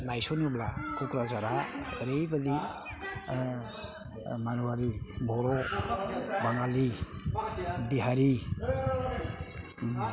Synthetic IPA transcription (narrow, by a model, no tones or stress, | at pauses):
lajsɔnublakʰukɾazaɾaəɾejbadi | maɾuwaɾibɔɾɔ | baŋali | biɦaɾi